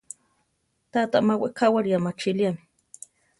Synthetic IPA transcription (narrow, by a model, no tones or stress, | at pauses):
t̪at̪aʔmaweʔkawaɾjamat͡ʃiliami